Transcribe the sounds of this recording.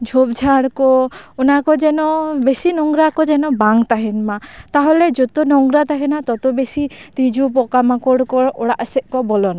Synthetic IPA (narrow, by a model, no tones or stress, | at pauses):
d͡ʒʱobd͡ʒʱaɽkɔunakɔd͡ʒɛnɔbesinɔŋɡɾakɔd͡ʒɛnɔbaŋt̪aɦɛnmat̪aɦoled͡ʒot̪onɔŋɡɾat̪aɦɛnat̪ɔt̪ɔbesit̪id͡ʒʱup̬ɔkamakɔɽkɔɾɔɽaʔseʔkɔbɔlɔna